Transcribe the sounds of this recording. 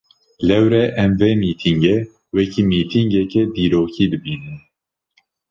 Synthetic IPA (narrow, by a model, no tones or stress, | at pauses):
lɛwɾɛʔɛmvemiːt̪ʰiŋɡe | wɛkiːmiːt̪ʰiŋɡɛkɛd̪iːɾoːkʰiːd̪ɨbiːnɨn